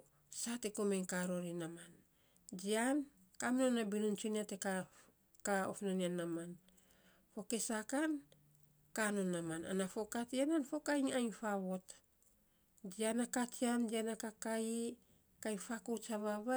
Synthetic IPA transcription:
satekomeŋkaɾo̞ɾinaman | d͡ʒian | kamnonabinunt͡ʃuniate̞ka | kao̰fnanianaman | fo̞ke̞sakan | kano̞nːamana̰nafo̞katiananfo̞kajŋajfaβo̞t | d͡ʒianakat͡ʃiand͡ʒianakakaji | kajfakowt͡ʃaβaβa

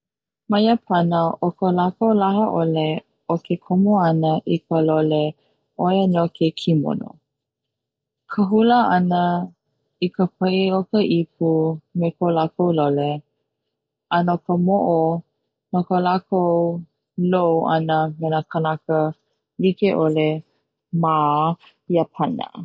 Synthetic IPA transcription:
mɐjəpʰanəʔokəlakowlaɦəʔole | okʰekʰomoanəʔikəlole | ʔojənokʰekʰimo̰no̰ | kʰəɦuləanə | ikəpʰəiokəʔip̚umekolakowlole | ənokəmoʔo | nokəlakow | lowʔa̰nəmenakʰənakə | likeʔole | ma | iəpʰɐnə̰

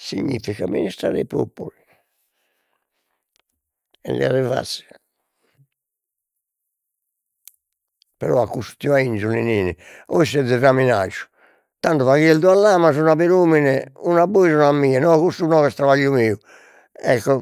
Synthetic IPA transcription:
sḭɲːḭfikamːḭnist̪ɾa̰ɾɛ̰po̰pːuli | ɛ̰lḭa̰ɾɛva̰t̪si̥ | pɛɾɔakːusu̥t̪ːivaind͡ʒuniniːnioisɛd̪ːɛramina̰d͡ʒu̥ | t̪ant̪uvaɣiɛld̪ualːaːmasunapiɾuːminɛunaboisunamːiːɛnɔkust̪unɔɣɛst̪ɾavaʎːumiːu | ɛkːɔ

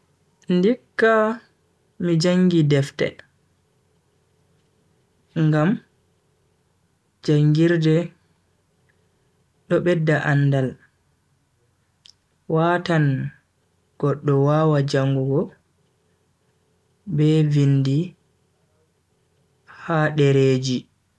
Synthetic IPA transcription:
ndikːa | mid͡ʒaŋɡidɛftɛ̰ | ŋɡam | d͡ʒaŋɡiɾdɛ | ɗɔɓɛdːaʔanːdal | waːtan | ɡ̥ɔɗːɔwaːwad͡ʒaŋɡuɡɔ | bɛvindi | haɗɛɾeːd͡ʒi

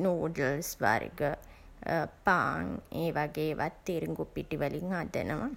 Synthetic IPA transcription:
noːɖəlsʋa̰ɾḭɡə | paːŋeːʋaɡeːʋa̰t̪ːiɾiŋɡupːiʈːiʋɐliŋad̪ḛnɐʋa

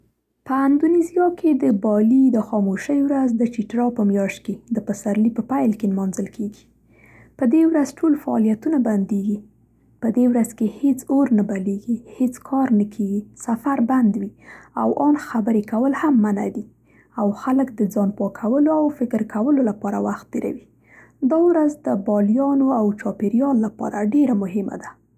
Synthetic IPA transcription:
pəand̪unizijɑkʰed̪əbɑlid̪əxɑmoʃəjwɾazd̪ət͡ʃiʈɾɑpəmjɑʃt̪̚ked̪əpəsaɾlipəpajlkenmɑnzəlkʰeɡi̥ | pəd̪ewɾazʈʰolfaɑ̰lijat̪unaband̪eɡi | pəd̪ewɾazkehet͡soɾnabaleɡihet͡skʰɑɾnəkʰeɡisafaɾband̪wia̰wʔɑnxabəɾekawəlhamːana̰d̪i | awxaləkd̪əd͡zɑnpɑkʰawəloawfɪkəɾkawəlolapɑɾawaxt̪̚d̪eɾa̰wi | d̪ɑwɾazd̪əbɑljɑnoawt͡ʃɑpeɾjɑlːapɑ̰ɾaɖeɾamʊɦɪma̰d̪a

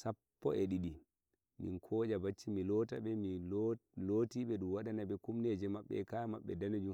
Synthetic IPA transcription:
sapːɔ̰ɛɗiɗi | mḭŋkʰɔːd͡ʒabat͡ʃːimilɔta̰ɓɛmiloːtiɓɛɗumwaɗanabɛkumned͡ʒɛmaɓːɛ̰kama̰ɓːɛ̰danod͡ʒum

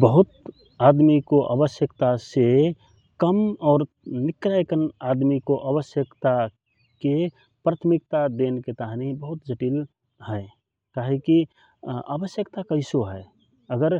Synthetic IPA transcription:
bəɦʊt̪̚ | ad̪mikoʔa̰bəsjəkt̪ase | kəmɔːɾ | nɪkɾaekənad̪mikoʔabəsjəkt̪a | ke | pɾaːt̪ʰmɪk̚t̪ad̪enket̪aɦnibəɦʊt̪d͡ʒəʈiːl | hɛ | kaɦeki | a̰bəsjəkt̪akəɪsoɦɛ | əɡəɾ

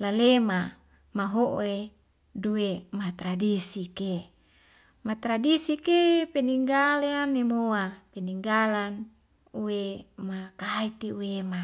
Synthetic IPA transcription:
lalema | maɦoʔe | duemat̪ɾadisike | mat̪ɾadisikepeniŋɡaleanːemoapeniŋɡalan | uemakait̪iuwema

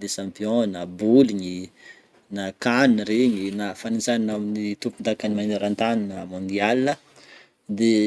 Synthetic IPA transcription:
d̪esãmpjɔ̃nabuliɲi | nakanreɲinafanit͡saninaminit̪upund̪akanimaneɾãnt̪aninamɔ̃nd̪ialːə | d̪e

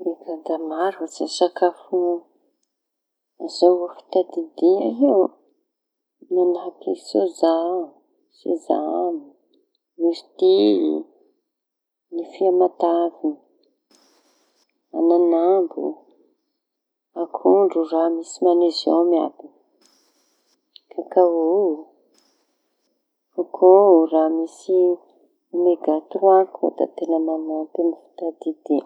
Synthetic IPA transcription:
iɡad̪amaɾat͡sisakafu | azaafi̥t̪ad̪id̪iaɦiw | manapisoza | sḭza̰ni | miɾit̪iḭ | nifiamat̪avi | a̰nanambṵ | akʰuɳɖ͡ʐuramisimanezo̰wmia̰d̪in | kakao | ukʰoramisi | meɡat̪uɾuako̰d̪a̰t̪enəmanat̪emifi̥t̪ad̪id̪̥e

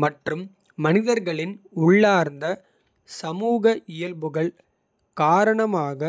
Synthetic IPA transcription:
mɐʈrɯmː | ɐnɪðɐɾɣɐɭɪnʊɭːaːɾnd̪ɐ | sɐmuːɣɐʔɪjɐlbɯɣɐɭ | kaːɾɐɳɐmaːɣɐ

